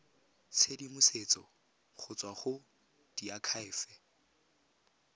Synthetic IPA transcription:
t͡sʰedimʊset͡sʼɔ | χʰʊt͡sʼwaχʊ | d̥iakʰaɪːfɛ

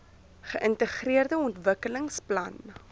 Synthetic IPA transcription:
χəʔəntəχriərdəɔntvəkələŋsplɐ̰n

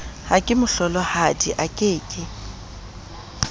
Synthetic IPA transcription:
hakʼɪmʊɬɔlɔhadiʔakʼɪːkʼɪ

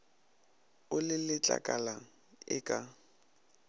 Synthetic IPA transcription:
ʊlɪlɪt͡ɬʼa̰kʼala | ɪkʼa

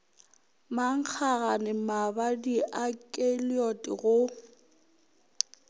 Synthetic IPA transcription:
maŋ̩k͡xʰaɣanɪmabadiʔakʼeliɔtʼɪɣʊ

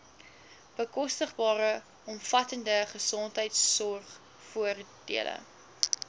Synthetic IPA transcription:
b̥əkɔstəχbɑːɾə | ɔmfɐtəndəχəsɔntɦəjtsːɔrχ | fuərd̥ḭələ̰

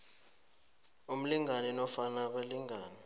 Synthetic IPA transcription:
um̩liŋanɛnɔfanak̬weliŋaːni

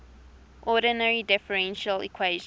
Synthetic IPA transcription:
ʔɔdənəɹidɪfəɹɛ̃nʃəlḭkʰweʒ

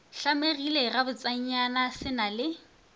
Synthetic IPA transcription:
ɬameɣilerabʊt͡sʼaɲ̩ɲanasɪnalɪ

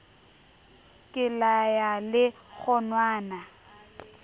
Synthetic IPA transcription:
kʼɪlajalɪɣʊnwaːna

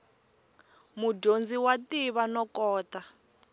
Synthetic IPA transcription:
muɟond͡ziwatiβanɔkɔːta

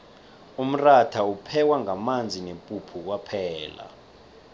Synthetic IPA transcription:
um̩ratʰaupʰɛk̬waŋamand͡zʱinempʼupʰuk̬wapʰɛːla̰

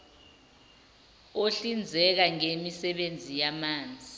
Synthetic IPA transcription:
oɬind͡zʱɛk̬aŋemisɛɓend͡zʱijamaːnd͡zʱi

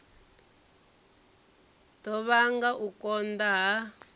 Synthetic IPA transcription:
dɔβaŋɡaʔukɔnd̪aɦa

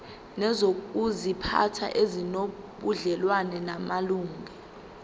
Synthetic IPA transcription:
nɛzok̬ʼuzipʰa̰tʰa̰ʔezino | ɓuɮɛlwanɛnamaluːŋʱɛ

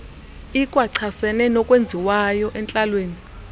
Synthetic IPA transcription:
ikʼwaǀʰasɛnɛnɔkʼwend͡zʱiwajɔʔɛnt͡ɬʼalweːni

